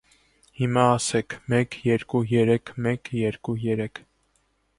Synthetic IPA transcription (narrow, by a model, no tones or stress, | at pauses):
himɑːsɛkʰmɛkjɛɾkujɛɾɛkʰmɛkjɛɾkujɛɾɛkʰ